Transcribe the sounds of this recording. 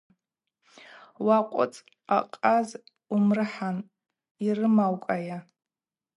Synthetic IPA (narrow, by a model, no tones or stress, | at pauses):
waqʷʼʊ̰t͡sʼ | a̰qʼaz | umrɨħan | irɨmawkʼaja